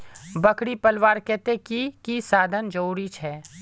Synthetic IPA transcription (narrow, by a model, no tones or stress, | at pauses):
bəkɽipɐlʋaːɾkɛːt̪ekikisaːd̪ʱənd͡ʒoːɽit͡ʃʰɛː